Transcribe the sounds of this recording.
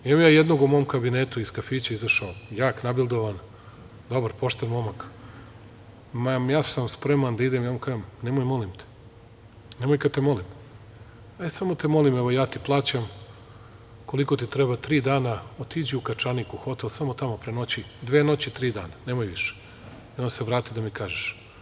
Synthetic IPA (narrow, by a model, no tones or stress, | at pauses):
imamjaːjed̪no̞ɡumo̞omkabineːt̪uiskafiːt͡ɕaizaʃaojaːknabilˠd̪oʋan | d̪o̞baɾpoʃt̪enmo̞mak | mamjaːsamspɾe̞mand̪aid̪emijamkaːʒemnemojmo̞limt̪e̥ | nemojkad̪̚t̪emo̞lim | ajsamo̞t̪emo̞limɛʋojaːt̪iplˠaːt͡ɕam | ko̞liko̞t̪it̪ɾebat̪ɾiːd̪aːnaot̪id͡ʑiukat͡ʃanikuxo̞t̪elsamot̪amopɾeno̞t͡ɕid̪ʋeːno̞t͡ɕit̪ɾiːd̪aːnanemojʋiʃe̥ | ionse̞ʋɾaːt̪id̪amikaːʒeʃ